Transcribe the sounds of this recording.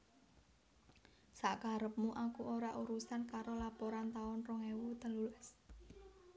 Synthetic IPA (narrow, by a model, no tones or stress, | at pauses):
saʔkaɾəp̚muʔakuʔoɾaʔuɾusankaɾolapoɾant̪aɔnrɔŋewut̪ə̤lulɛs